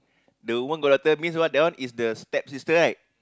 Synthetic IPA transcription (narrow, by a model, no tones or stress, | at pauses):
dəumə̃nɡodɔt̪əmĩns̬wɔt̚dãw̃nisdəstɛp̚sistəlajt̚